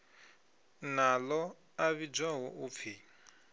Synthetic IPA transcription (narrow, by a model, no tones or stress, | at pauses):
nalɔ | aβid͡ʒaɦɔʔup̪fʰi